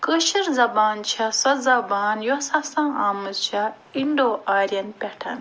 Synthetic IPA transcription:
kəʃiɾzɐbaːnt͡ʃʰɐsɐzɐbaːnjosɐsãːaːmɨzt͡ʃʰɐ | iɳɖoːʔaːɾijɐnpʲɛʈʰɐ̰n

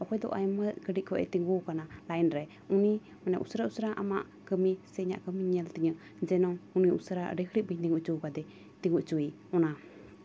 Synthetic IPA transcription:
ʔɔkʰɔjd̪ɔ̰ʔajmət̪̚kəɖiʔ̚kʰɔʔɛ̰t̪iŋɡukanalajnɾɛ | uni | manɛ̰ʔṵsɾausɾaʔamaʔ | kəmisɛɲa̰ʔkəmiɲəlt̪iɲə | d͡ʒɛnɔuniusɾa̰ɾəkʰɾiʔ̚biɲt̪iŋuʔt͡ʃukad̪ɛ | t̪iŋɡuʔt͡ʃui | ɔna

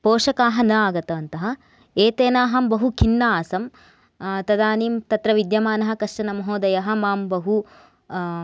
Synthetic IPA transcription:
poːʂɐkaːɦɐnɐaːɡɐt̪ɐʋɐnt̪ɐɦɐ̆ | eːt̪eːnaːɦɐmbɐɦukʰinːaaːsɐm | t̪ɐd̪aːniːmt̪ɐt̪ɾɐʋid̪jɐmaːnɐɦɐ̆kɐʂʂɐnɐmɐɦoːd̪ɐjɐɦɐ̆maːmbɐɦu

